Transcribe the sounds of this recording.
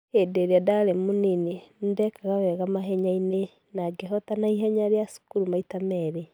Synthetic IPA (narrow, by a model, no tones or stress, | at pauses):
edeɾeadaɾemoninendɛkaɣawɛɣamaɦɛɲaine | naɡeɦɔtanaiɦɛɲaɾeasu̥kuɾumaitamɛɾɛ